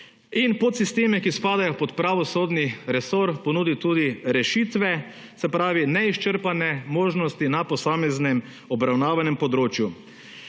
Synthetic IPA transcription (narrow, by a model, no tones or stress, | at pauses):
inpɔt̪sist̪eːmɛkispaːd̪ajɔpɔt̪pɾaʋɔsoːd̪niɾɛsoːɾpɔnuːd̪it̪uːd̪iɾɛʃiːt̪ʋɛ | sɛpɾaːʋinɛiʃt͡ʃəɾpanɛmoːʒnɔst̪inapɔsaːmɛznɛm | ɔbɾawnaːʋanɛmpɔd̪ɾoːt͡ʃju